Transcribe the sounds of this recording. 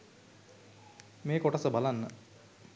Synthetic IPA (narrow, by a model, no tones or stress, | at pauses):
meːkoʈəsəbalanːə